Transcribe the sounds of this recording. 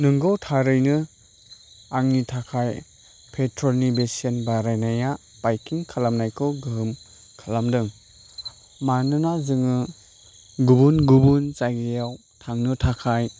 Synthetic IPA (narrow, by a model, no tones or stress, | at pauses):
nɯŋɡɔwtʰaɾɯjnɯ | aŋnitʰakʰaj | pʰetʰɾɔlnibesienbaɾajnaja | pajkʰiŋkʰalamnajkʰɯwɡɯɦɯm | kʰalamdɯŋ | manɯnazɯŋɯ | ɡubunɡubunt͡ʃajɡejaw | tʰaŋnɯtʰakʰaj